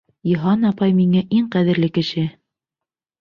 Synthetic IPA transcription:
jŏɦɑnɑpɑjmiŋæʔiŋqæðɘ̆ɾlɘkɘ̆ʃɘ

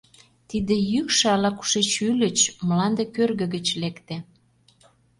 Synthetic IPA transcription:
t̪id̪ĕjykʃɑlɑku̥ʃet͡ɕylə̆t͡ɕmlɑnd̪ekørɣə̆ɣə̆t͡ɕlekt̪e

